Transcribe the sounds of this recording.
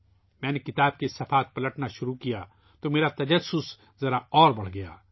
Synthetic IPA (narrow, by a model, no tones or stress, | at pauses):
mɛ̃ːnekɪt̪aːb̚kesɐfaːt̪̚pɐləʈnaʃʊɾukijaː | t̪omeːɾat̪ɐd͡ʒɐsːʊs | zɐɾaɔːɾbɐɽ̤ɡɐja̰ː